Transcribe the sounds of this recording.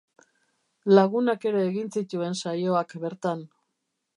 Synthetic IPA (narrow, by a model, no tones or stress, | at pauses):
laɣ̞unake̞ɾe̞ːɣinsit̪ue̞nsajo̞akbe̞ɾt̪an